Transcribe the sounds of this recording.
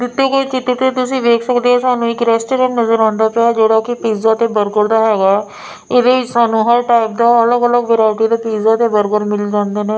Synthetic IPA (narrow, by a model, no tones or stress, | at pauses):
d̪ɪt̪ːekoːit͡ʃɪt̪ːet̪et̪̬ʊsĩʋeːksəkd̪eɦɛsaːnũɪkɾɛːsʈeɾeːmnɐzəɾãːnd̪aped͡ʒoɽakipiːzat̪ebəɾɡəɾd̪aɦɛːɡaː | ɪd̪eʋɪt͡ʃsaːnũɦəɾʈaːɪp̚d̪aɐləɡələɡʋeɾaːʈit̪epiːzat̪ebəɾɡəɾmɪld͡ʒãːnd̪enɛ̃